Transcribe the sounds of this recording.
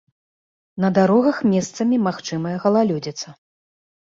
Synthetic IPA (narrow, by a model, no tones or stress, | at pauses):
nɐd̪aɾɔɣɐxmʲɛst̪sɐmʲimaxt͡ʂɨmɐjɛɣɐlˠalʲud͡zʲɐt̪sːɐ